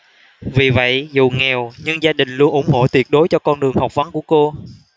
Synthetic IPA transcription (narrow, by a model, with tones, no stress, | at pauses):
vi˨˩və̰˧˨jzṵ˨˩ŋɛ˨˩wɲɨ˧ŋzaː˧ɗï˨˩ŋ̟lu˧ənʔʊ̰˧˩˦ŋ͡mho̰˧˨t̪wi˨˩ət̚ɗo˨˦jt͡ɕɔ˧kɔ˧nɗɨ˨˩əŋha˨˩wk͡p̚və˨˦nku˧˩əko˧